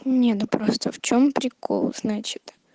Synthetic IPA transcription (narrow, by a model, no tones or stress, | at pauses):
nʲenʊpɾo̞st̪əft͡ɕo̞mpɾʲɪkʰo̰lˠz̥nat͡ɕɪ̥t̪